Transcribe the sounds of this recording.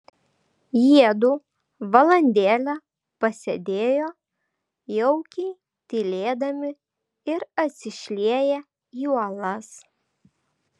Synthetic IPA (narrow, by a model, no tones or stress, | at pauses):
jiɛd̪uː | ʋɐlˠɐnʲd̪ʲeːlʲɛ | pɐsʲed̪ʲeːjoː | jɔʊkʲɛɪ | t̪ʲilʲeːd̪ɐmʲɪ | ɪɾɐt̪ʲsʲɪʃʲlʲiɛjɛ | juɔlˠɐs